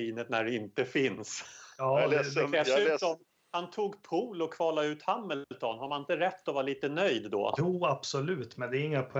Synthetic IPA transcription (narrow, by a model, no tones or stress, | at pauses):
iːnət̪̚næɖɛɪnt̪əfɪnsɑːd̪ɛssʉ̟t̪ɔm | hant̪ʰuːɡpʰuːlɔkʰvɑːlaʉ̟ːt̪hamːəlt̪ʰɔnhaɾmanɪnt̪əɾɛt̪ːɔvɑːɾaliːt̪ənœjd̪ːɔ̰juːab̥sɔlʉ̟ːt̪mɛnd̪ɛːɾɪŋːapʰʊ